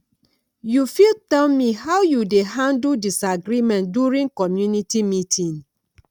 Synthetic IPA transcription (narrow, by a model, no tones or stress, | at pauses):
jufiltɛlmihawjudeɦãnddisaɡɾimɛ̃nduɹĩŋkɔmjunitimitʰĩn